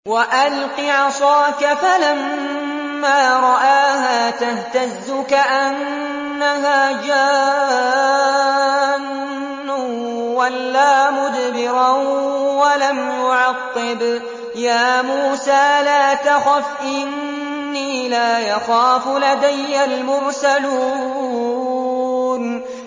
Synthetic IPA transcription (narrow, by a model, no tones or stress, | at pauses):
waʔalqiʕɑsˤɑːkafalamː | aːɾˤɑʔaːɦaːt̪aht̪azːʊkaʔanː | aɦaːd͡ʒaː | nː | ʊ | walːaːmʊd̪bɪɾawalamjʊʕɑqːɪb | jaːmuːsaːlaːt̪axafʔɪnː | iːlaːjɑxaːfʊlad̪ajːalmʊɾsaluː | n